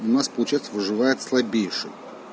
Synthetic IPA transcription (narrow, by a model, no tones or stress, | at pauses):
ʊnaspəlˠʊt͡ɕɛjt̪səvɨʐɨvajɪt̪slˠɐbʲejʂɨ̰j